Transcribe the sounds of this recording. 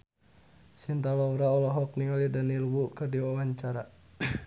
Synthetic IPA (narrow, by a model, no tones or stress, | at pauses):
sint̪alauɾaɔlɔɦɔk̚niŋalidanilwukɨrdiwawaɲt͡ʃaɾa